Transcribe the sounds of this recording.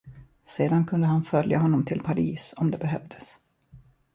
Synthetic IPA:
seːd̪ankʰɵnd̪əɦanfœljaɦɔnːɔmt̪ʰɪlpʰaɾiːsɔmd̪ɛbɛɦœvd̪əs

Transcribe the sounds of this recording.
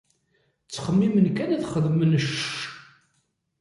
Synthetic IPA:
t͡sːχəmːimənkænæθχəðmənəʃ

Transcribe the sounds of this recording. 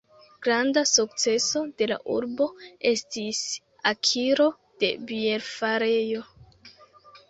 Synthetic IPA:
ɡ̥ɾandasuk̚t͡se̞so̞de̞la̰ʔṵɾbo̞e̞stis | akʰiɾo̞ | d̥e̞̰bieɾfaɾe̞jo̞

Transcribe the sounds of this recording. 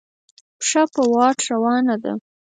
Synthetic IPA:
pʂapəwɑʈɾawɑnad̪a̰

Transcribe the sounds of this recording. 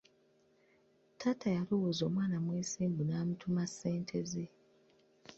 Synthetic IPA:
tʰatajaluwuzo̞ːmwaːnamweːsiːmbunaːmutʰumasːeːntʰeze

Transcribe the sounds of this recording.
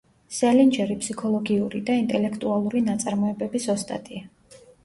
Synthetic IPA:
sɛlind͡ʒɛɾipʰsikʰɔlˠɔɡiuɾid̪aint̪ʼɛlɛkʰt̪ʼualˠuɾinat̪sʼaɾmɔɛbɛbisɔst̪ʼa̰t̪ʼia

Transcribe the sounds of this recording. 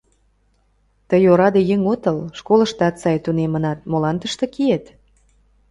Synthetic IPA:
t̪əjoɾɑd̪ejəŋot̪ɤlʃkoləʃt̪ɑt̪sɑjt̪unemənɑt̪̚molɑnt̪əʃt̪ɤ̆kiet̪

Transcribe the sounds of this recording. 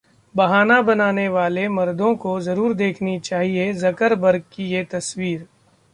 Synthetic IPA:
bɐɦaːnabɐnaːneʋaːlemɐɾd̪õkozɐɾuːɾd̪eːkʰnit͡ʃaːɦiezɐkəɾbɐɾɡ̚kijet̪ɐswiːɾ

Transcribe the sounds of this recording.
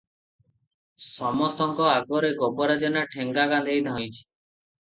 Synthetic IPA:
sɔmɔst̪ɔŋkɔaɡɔɾeɡɔbɔɾad͡ʒɔnaʈʰeŋɡaɡãnd̪ʱejd̪ʱaõjt͡ʃʰi̥

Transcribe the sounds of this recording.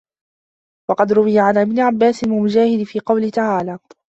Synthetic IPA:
wɑqɑd̪ɾʊwɪjaʕanʔɪbnɪʕabːaːsɪnmɪmʊd͡ʒaːhɪd̪fiːqɑwlɪt̪aʕaːlaː

